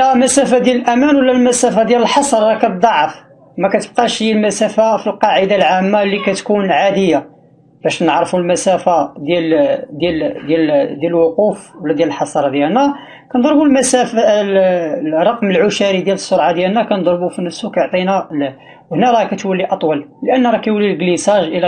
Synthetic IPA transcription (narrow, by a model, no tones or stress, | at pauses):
æmæsæfad̪jæləlʔæmænwəlːælmæsæfad̪jæləlħɑsˤɾˤːɑkæb̚d̪ˤɑʕəf | mækæt̪əb̚qɑʃd̪jælmæsæfafilqɑʕəd̪alʕamːalːikæt̪kunʕad̪əjːa | bæʃnəʕɾfulmæsæfad̪jæld̪jæld̪jæld̪jæləlwʊqufwlːæd̪jæləlħɑsˤɑɾˤɑd̪jælnæ | kænd̪ˤɾbulmæsæf | rˤːɑqməlʕʊʃæɾid̪jæləsːoɾˤʕad̪jælnːækænd̪ˤɾˤbufinəfsukæjoʕt̪ˤinæ | whnæɾˤɑkæt̪wəlːiʔɑt̪ˤwɑllʔənːɾˤɑkæjwəlːilɡlisæʒʔəlæ